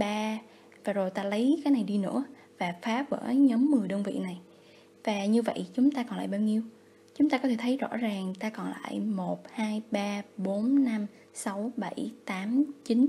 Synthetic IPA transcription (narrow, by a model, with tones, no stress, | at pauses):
ɓaː˧ | vaː˨˩zo˨˩jt̪aː˧lə˨˦jkaː˨˦jna˨˩jɗi˧nɨ̰˧˥ə | vaː˨˩faː˨˦˥p̚və̰ː˧˩ɲɔ˨˦mːɨ˨˩əjɗəː˧nvḭ˧˨na˨˩j | vaː˨˩ɲɨ˧və̰˧˨jt͡ɕʊ˨˦ŋ͡mt̪aː˧kɔ˨˩nla̰ː˧˨jɓaː˧wɲi˧əw | t͡ɕʊ˨˦ŋ͡mt̪aː˧kɔ˨˦t̪ʰe˧˩t̪ʰə˨˦jzɔ̰˧˥zaː˨˩ŋt̪aː˧kɔ˨˩nla̰ː˧˨jmo˨˩t̚haː˧jɓaː˧ɓo˨˦nna˧m | sa˨˦wɓə˧˩jt̪aː˨˦mt͡ɕi˨˦n